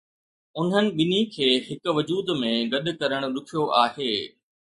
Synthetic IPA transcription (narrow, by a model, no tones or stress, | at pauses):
ʊn̤ənɪ̆ɓɪnikʰeːɦɪkʊʋɐd͡ʑuːd̪mẽɡɐɗʊ̆kɐɾəɽ̃ʊ̆lʊkʰijoʔaːheː